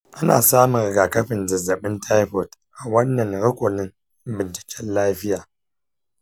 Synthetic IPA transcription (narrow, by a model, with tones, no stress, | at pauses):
ʔa˦na̰ː˨saː˦mʊ˨ŋ˨ɡaː˨kɐ˦ɸɪ˨nzɐ˨zɐ˨ɓɪ˦ntʰa˦jɸo˨tʔa˨wɐ˦nːɐ˨ŋɽɪ˦kʷo˨nɪ˦ŋ˦ | bɪ˨nt͡ʃɪ̥˨kʲʰɛ˦nlaː˦ɸɪ˦jaː˨